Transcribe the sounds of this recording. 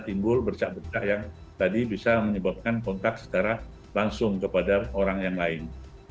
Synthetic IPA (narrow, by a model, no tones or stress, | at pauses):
t̪imbʊlbərt͡ʃaʔbərt͡ʃaʔjaŋ | t̪adibisaməɲəbap̚kankɔnt̪ak̪̚sə̥t͡ʃaɾa | laŋsʊŋkəpadaoɾaŋjaŋlaɪn